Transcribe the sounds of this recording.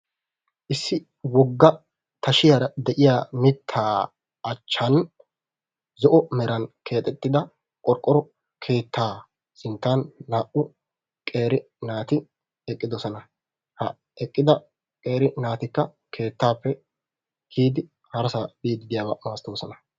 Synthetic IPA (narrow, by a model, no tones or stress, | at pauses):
ʔɪsːɪ | wɔɡːɐ | t̪ɐʃɪjaɾɐd̪ɛʔɪjaːmɪt̪ʰːaː | ɐt͡ʃːɐn | zɔʔɔmɛɾɐnkʰe̞ːt̪ʼːɛt̪ʼːɪd̪ɐ | kʼɔɾkʼːɔɾɔ | kʰe̞ːt̪ʰːaː | sɪnt̪ːaːnːaːʔʊ | kʼe̞ːɾɪ | naːt̪ɪ | ɛkʼːɪd̪ɔsɔnɐ | hɐ | ɛkʼːɪd̪ɐ | kʼe̞ːɾɪnaːt̪ɪkːɐ | kʰe̞ːt̪ːaːpːɛ | hiːd̪ɪ | hɐɾɐsabiːd̪ɪd̪ɪjaːbɐmaːst̪ːoːsɔnɐ